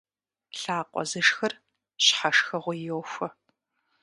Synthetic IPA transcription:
ɬaːqʷʼɔ̰zɨʂxɐr | ɕħaʂxɐʁʷʊjowxʷɐ

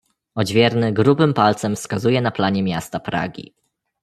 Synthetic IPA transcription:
ɔd͡ʑvʲjɛɾnɘɡɾubɘmpalt̪sɛmfskazujɛnaplaɲɛmʲjast̪apɾa̰ɡʲḭ

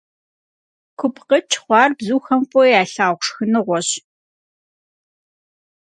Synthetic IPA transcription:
kʷʰʊpʰqət͡ʃʰχʷɑːrbzuːxɐmpʷʼɔjaːɬaːʁʷʂxɨnɨʁʷɔɕ

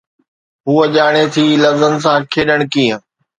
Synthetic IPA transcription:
ɦuːɐʄaːɽ̃et̪ʰiːlɐzəns̬ãːkʰeːɗəɽ̃kiːə̃

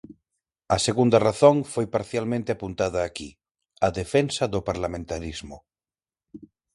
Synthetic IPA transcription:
ɐseɣund̪araθoŋfojpaɾθjalmẽnt̪eapunt̪aðaːki | aðefensaðopaɾlamẽnt̪aɾizmʊ

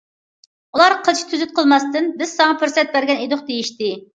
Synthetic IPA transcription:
ulˠɑɾqʰət͡ʃʰi̥t̪ʰyzyt̪̚qʰəlˠmɑst̪ɨnbɪz̥sɑŋɑpʰyɾsɛt̪̚bæɾɡʲɛned̪ʊqd̪ejiʃt̪ɪ

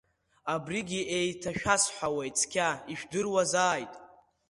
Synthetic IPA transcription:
abriɡʲiʔejtʰaʃᶣasħʷawejt͡sʰʼkʲʰaiʃᶣdɨrwazaːjtʼ

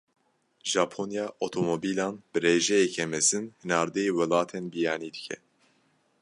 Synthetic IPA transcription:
ʒɑːpʰonjɑːʔot̪ʰoːmobiːlɑːnbɨɾeːʒɛjɛkʰɛmɛzɨnhɨnɑːɾd̪ɛjeːwɛlɑːt̪ʰeːnbijɑːniːd̪ɨcʰɛ̰

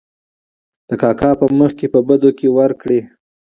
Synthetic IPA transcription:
d̪̥əkɑkɑpəməxkepəbəd̪okewaɾkɽe

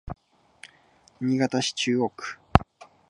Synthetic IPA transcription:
ɲ̟iɡat̪aɕi̥t͡ɕɨːokɯ̟̥

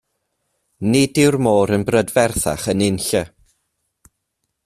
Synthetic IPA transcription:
nɪdɪwrmoːɾənbrədvɛrθa̰χənɪnɬə

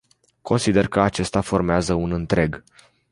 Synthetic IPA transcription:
kʰo̞nsid̪e̞rkəat͡ʃe̞st̪afo̞rmeazəunɨnt̪ɾe̞ɡ

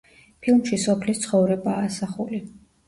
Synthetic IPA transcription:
pʰilˠmʃisɔpʰlist̪sʰχɔvɾɛbaːsaχuli

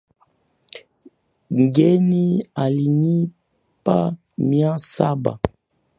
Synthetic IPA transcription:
ŋɡɛnialiɲi | pa | miãsaba̰

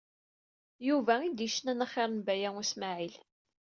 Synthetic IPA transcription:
juvæid̪iʃənænæχeɾˤənbæjæusmaʕil

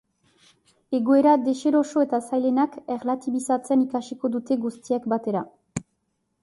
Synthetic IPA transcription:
e̞ɣoe̞ɾad̪e̞ʃe̞ɾo̞so̞e̞t̪asajle̞nake̞ɾlat̪iβisat͡senikasiko̞d̪ut̪e̞ɡust̪iakbat̪e̞ɾa

